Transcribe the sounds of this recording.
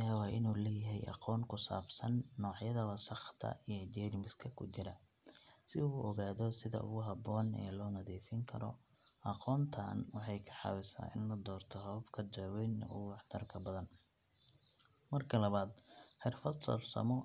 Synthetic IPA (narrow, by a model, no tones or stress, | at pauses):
aːwɑːʔɪnuːlɛːjɐɦɛjʔɑ̰qɔːŋkʰʊsa̰ːbsɐnːɔːʕjɐðɐwɐsɑχt̪ʰɐ̰ijɔd͡ʒɛɾɪmɪskʰɐkʰʊ̰t͡ʃɪɾɐ | sɪuːʔɔɣaːðɔsɪðɐ̰ʔʊ̰ɣʊɦɑbɔːnɛ̰ːlɔːnɐðiːfɪŋkʰɐɾɔ̰ | ʔɑqɔːnt̪ʰa̰ːnwɑħɑjkʰɐ̥ħɑ̰wɪsa̰ːʔɪnlɐd̪ɔːrt̪ʰɔhɔbkʰɐd̪ɔːwɛjnɛ̰ʊwɑħt̪ʰɐrkʰɐbɐðɐn | mɐrkʰɐlɐβaːd̪ħɪrfɐd̪sɔ̰ːrsɐ̰mɔ